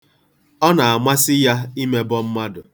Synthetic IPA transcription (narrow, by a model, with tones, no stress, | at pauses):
ɔ˦na˨a˨mʷa˦sɪ˦ja˦i˦me˦bɔ˦m̩˦ma˦dʊ˨